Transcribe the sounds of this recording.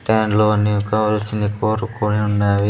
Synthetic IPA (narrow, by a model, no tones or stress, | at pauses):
ʈ̪aːnloːɐnːikaːʋɐlɐsind̪ikoːɾukoɳiunːaːʋi